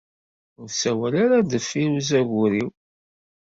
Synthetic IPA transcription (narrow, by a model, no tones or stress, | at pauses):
ʊɾsæwælaɾad̪əfːiɾuzæʝʊɾiw